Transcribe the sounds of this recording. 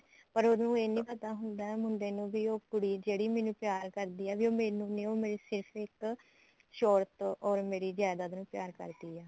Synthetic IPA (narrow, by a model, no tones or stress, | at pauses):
pəɾod̪nũːeːnĩːpət̪aːɦʊnd̪aːɛːmʊnd̪eːnũːʋiːoːkʊɽiːd͡ʒeːɽiːmɛ̃ːnũːpɪjaːɾkəɾd̪iːɛːʋiːoːmeːnũːneːoːmeːɾiːsɪɾpʰɪk | ʃɔːɾt̪ɔːɾmeːɾiːd͡ʒaːd̪aːd̪nũːpɪjaːɾkə̰ɾd̪iːɛː